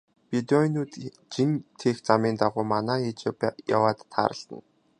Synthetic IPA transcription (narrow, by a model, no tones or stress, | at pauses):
pid̪ɔinuːt̪ | t͡ɕint̪ʰext͡samʲiːnt̪aʁʊːmanaːit͡ɕːpja̰waːt̪ʰːa̰ːɾə̆ɬt̪ə̰̆n